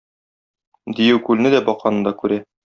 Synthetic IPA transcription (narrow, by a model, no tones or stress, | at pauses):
d̪ijɘwkʉlnɘd̪æbɒqɑnɤ̆nd̪ɑkʉɾæ